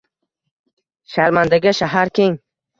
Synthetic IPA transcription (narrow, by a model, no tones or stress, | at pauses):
ʃaɾmand̪aɡʲaʃaɦaɾkʲʰeŋ